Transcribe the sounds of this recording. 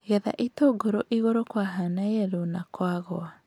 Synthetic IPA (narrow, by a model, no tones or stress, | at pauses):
ɣɛða̰ʔitoɡoɾoʔiɣoɾokwaɦanaeɛɾonakwaɣoa